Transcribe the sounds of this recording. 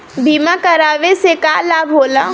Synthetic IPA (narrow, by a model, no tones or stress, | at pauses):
bʱiːmãkəɾaːʋesekaːlaːbʱɦoːlã